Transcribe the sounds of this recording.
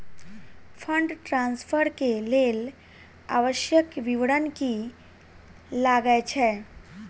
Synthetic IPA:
fʰəɳɖʈɾãnspʰəɾkelel | a̰ʋəʃjəkʋiʋɽənki | laɡəjt͡ʃʰɛ

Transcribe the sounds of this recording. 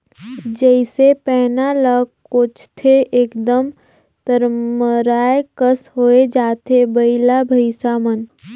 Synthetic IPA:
d͡ʒəɪsepɛːnaləkot͡ʃʰt̪ʰeʔeːkd̪əm | t̪əɾməɾaːekəsɦoːed͡ʒaːt̪ebəɪlabʱəɪsamən

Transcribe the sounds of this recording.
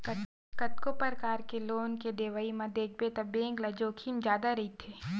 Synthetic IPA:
k | kɐt̪kopəɾkaːɾkeloːnked̪eːʋaimɐ̃d̪eːk̚bet̪ɐbẽːŋɡlɐd͡ʒoːkʰimd͡ʒjaːd̪aɾɐɦit̪ʰeː

